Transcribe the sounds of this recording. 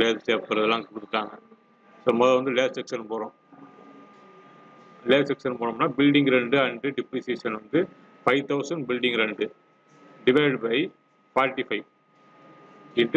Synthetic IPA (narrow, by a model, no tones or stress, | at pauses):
leːt̪ʈeːp̚kɐɾɐðɐlːãːkʊɽɯt̪ːɯʈːaːŋɡɐ | soːmoːðɐʋɐnd̪ɯleːsɛksɐnpoːɾõː | leːsɛksɐnpoːɾõːnːaːbɪlɖɪŋɡɾɛɳɖɯɐɳɖɯɖɪpɾiːsieːʂɐnʋɐnd̪ɯ | fɐɪʋt̪ɐʊsɐɳɖbɪlɖɪŋɡɾɛɳɖɯ | ɖɪʋɐɪɖbɐɪ | paːɾʈːifɐɪʋ | ɪnʈ